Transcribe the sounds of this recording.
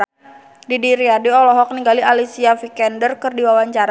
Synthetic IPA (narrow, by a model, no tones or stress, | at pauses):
didiɾiadiɔlɔɦɔk̚niŋɡaliʔalisiafikɛndərkɨrdiwawaɲt͡ʃaɾ